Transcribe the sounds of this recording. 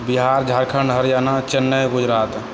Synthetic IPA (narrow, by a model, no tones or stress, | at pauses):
biɦaːɾd͡ʒʱaːɾkʰəɳɖɦəɾjanat͡ʃənːəɡʊd͡ʒɾaːt̪